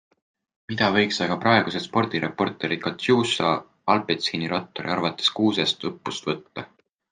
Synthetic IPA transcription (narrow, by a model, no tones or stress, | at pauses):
mid̪̥ɑvɤ̞jksɑɡ̥ɑprɑe̞ɡ̥usespo̞rd̪̥iɾepːˑo̞rt̪ːˑe̞ɾi̥kɑt̪juːsɑ̰ | ɑlbet̪siniɾɑt̪ːˑo̞ɾḭɑrvɑt̪ːˑe̞̥skuːsest̪ɤpːust̪vɤt̪ːɑ